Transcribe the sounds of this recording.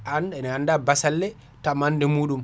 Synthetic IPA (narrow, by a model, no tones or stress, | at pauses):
anɛnhandabasalːɛ | tamandɛmuːɗum